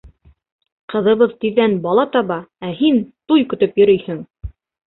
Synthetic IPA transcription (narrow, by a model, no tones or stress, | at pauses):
qɤ̆ðɤ̆βɤðt̪iðːænbɑlˠɑt̪ɑβɑæhint̪ujkɵ̆t̪ɵpjɵ̆ɾɵjhɘŋ